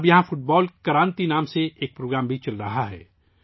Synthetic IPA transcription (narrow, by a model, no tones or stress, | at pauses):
bjɐɦãfʊʈ̚bɔːlkɐɾãːnt̪inaːmseeːk̚pɾoːɡɾaːmbʱit͡ʃɐlɾɐɦaɦɛ̰ː